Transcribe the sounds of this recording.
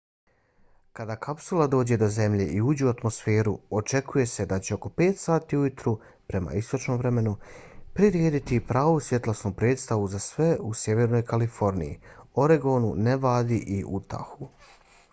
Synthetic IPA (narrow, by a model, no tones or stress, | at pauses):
kad̪akʰapsulˠad̪o̞ːd͡ʑe̞d̪o̞ze̞mʎe̞ʔiuːd͡ʑeuat̪mo̞sfe̞ːɾuot͡ʃe̞kʰuje̞se̞d̪at͡ɕeo̞ko̞pe̞ːt̪saːt̪iːujit̪ɾu | pɾe̞ma̰ist̪o̞t͡ʃno̞mʋɾe̞me̞nupɾiɾjeːd̪it̪ipɾaːʋusje̞t̪lasnuːpɾe̞ːdt̪st̪aʋuzasʋe̞usje̞ʋe̞ɾno̞jkalifo̞ɾnḭjḭo̞ɾeɡo̞ːnuneʋaːd̪iʔiʔut̪a̰xu